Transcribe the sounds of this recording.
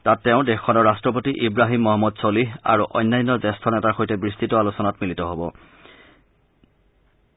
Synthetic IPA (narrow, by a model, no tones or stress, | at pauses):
tatːɛʊ̃dɛxʰːɔnɔɹːastɹɔp̬otiʔibɹaɦimːɔɦɔmːɔdsolia̰ɹuʔɔ̰jnːajnːɔzɛstʰɔnɛtaɹxojtɛbɹistitɔalusɔnatmilitɔɦɔbɔ